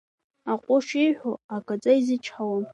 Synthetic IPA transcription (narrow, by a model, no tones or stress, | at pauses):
aqʷʼʊʃiħʷoakʼat͡sʼaizɨt͡ʃʰħawam